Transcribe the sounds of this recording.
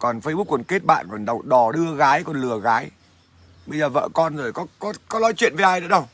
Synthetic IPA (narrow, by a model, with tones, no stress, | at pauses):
kɔ˨˩nfə˧jɓu˦˥kːwə˨˩nke˦˥t̚ɓa̰ː˧˨nkɔ˨˩nɗə˨˩wɗɔ˨˩ɗɨ˧əɣaː˨˦jkɔ˨˩nlɨ˨˩əɣaː˨˦j | ɓə˧jzəː˨˩və̰ː˧˨kɔ˧nzo˨˩jkɔ˨˦kɔ˨˦kɔ˨˦lɔ˨˦jt͡ɕwḭ˧˨ənve˨˦ʔaː˧jɗə̰˧˥ɗə˧w